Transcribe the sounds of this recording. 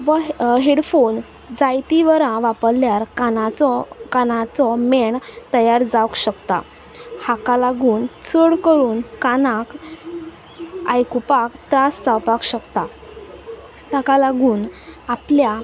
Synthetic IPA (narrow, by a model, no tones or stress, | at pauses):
ʋəɦeɽfon | d͡zajt̪iʋəɾãʋapəɾljaɾkanat͡sɔkanãt͡sɔmeɳt̪əjaɾd͡zawkɕəkt̪a̰ | hakalaɡuːnt͡sʰəɽkəɾuːnkanak | ajkupakt̪ɾasd͡zawpakɕəkt̪a | t̪akalaɡuːnaplja